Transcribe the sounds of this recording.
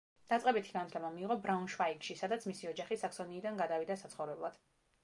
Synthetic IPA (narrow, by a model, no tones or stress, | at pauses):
d̪̥at̪sʼqʼɛbit̪ʰi̥ɡant̪ʰlɛmamiːʁɔbɾaunʃvaikʃisad̪at̪sʰmisiɔd͡ʒaχisaksɔniːd̪anɡad̪avid̪asat̪sχɔvɾɛblˠad̪̥